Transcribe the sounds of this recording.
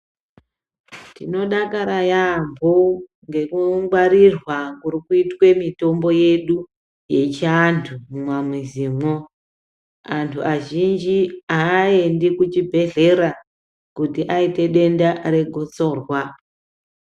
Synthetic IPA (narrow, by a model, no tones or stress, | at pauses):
tino̞ɗakaɾajambʱo | ŋɡe̞kuɡ͡bwaɾirwakurikuitwe̞mito̞mbo̞je̞ɗu | je̞t͡ʃantʰumwamiziːmo | antʰuaʒind͡ʒiaːendikut͡ʃibʱe̞ɮe̞ɾa | kutiʔaite̞ɗe̞ndare̞ɡʱot͡so̞ːrwa